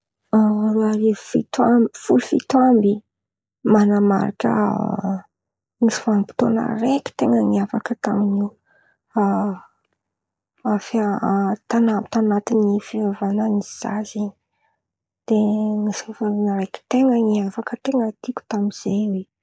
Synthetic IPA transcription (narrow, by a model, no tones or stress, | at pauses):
aɾuaɾefit̪amfulufit̪wambi | manama̰ɾa̰kʲə̰ | ŋisu̥fanipi̥t̪onə̰rekʲi̥t̪eŋaŋiafakət̪aminiw | a | afat̪anamit̪anat̪inifivavananiz̥a̰zi | d̪̥eŋisafaɾinəɾekʲi̥t̪eŋaŋiafakət̪eŋət̪ikʲu̥t̪amiz̥ewe